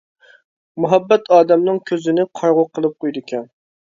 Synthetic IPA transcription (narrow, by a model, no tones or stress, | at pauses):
muɦɛbːɛt̪ʰɑːd̪ɛmnɨŋkʲʰøzɪnɪqʰɑjʁʊqʰəlˠɨp̚qʰojd̪ɪkʲʰɛn